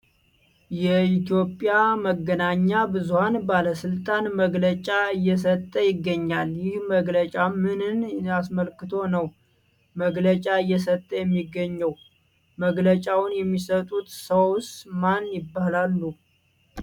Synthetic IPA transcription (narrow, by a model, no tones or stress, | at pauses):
jɛit̪jo̞pʼjaməɡːənaɲːabɨzuhanbaləsɨlt̪ʼanməɡlət͡ʃʼaɨjːɛs̬ət̪ʼːəjɪɡːəɲːaljɪhməɡlət͡ʃʼamɨnɨnas̬məlkɨt̪ʰo̞nəw | məɡlət͡ʃʼaɨjːɛsət̪ʼːəjɛmːiɡːəɲːəw | məɡlət͡ʃʼawnjɛmːisət̪ʼut̪səwst̪manjɪbːahlalːu